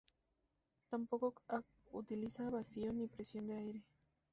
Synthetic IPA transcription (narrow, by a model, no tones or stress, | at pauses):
t̪ampokokak | ut̪ilisaβasionipɾesjo̞nd̪eajɾe